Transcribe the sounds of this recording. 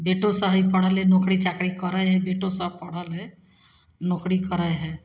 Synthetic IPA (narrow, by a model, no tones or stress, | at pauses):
beʈosaɦipəɽ̤əlenokɽit͡ʃakɽikəɾəeɦɛ̃beʈosapəɽale | noːkɽikəɾəeɦɛ̃